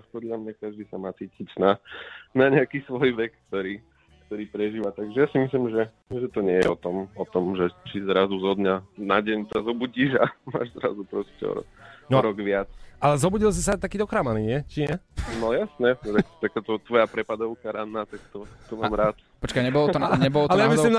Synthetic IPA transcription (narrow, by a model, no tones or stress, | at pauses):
pɔd̪lʎamɲakaʒd̪iːsamaːt͡siːcicnanaɲɛakiːsʋɔjʋɛkːt̪ɔɾiː | kt̪ɔɾiːpɾɛʒiːʋat̪aɡʒɛjasimislimʒɛ | ʒɛt̪ɔɲɛjɛ̰ɔt̪ɔmɔt̪ɔmʒɛt͡ʃizɾazuzɔd̪ɲanaɟɛɲsazɔbuɟiʒama̰ːʒzɾa̰zupɾɔscɛ̰ɔ̰ɾɔ̰knɔɾɔɡʋɪat͡sʔalɛzɔbuɟils̬is̬at̪akiːd̪ɔkɾaːmaniɲɪɛt͡ʃiɲɛnɔjasnɛɛt̪ak̚t̪akaːt̪ɔt̪ʋɔjapɾɛpad̪ɔʊkaɾanːaːt̪ak̚t̪ɔt̪ɔmaːmɾaːt̪ | pɔt͡ʃkajɲɛbɔlɔɔaɲɛbɔlɔalɛjamisslim